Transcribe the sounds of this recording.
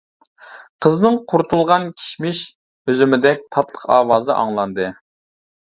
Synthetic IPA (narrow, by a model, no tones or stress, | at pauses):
qʰəznɨŋqʰuɾt̪ʰulˠʁɑnkʲʰi̥ʃmɪʃ | høzymɪd̪ɛk̚ʲt̪ʰɑt̪lˠə̥qɑ̰ːwɑːzɨʔɑ̰ŋlˠɑnd̪ɨ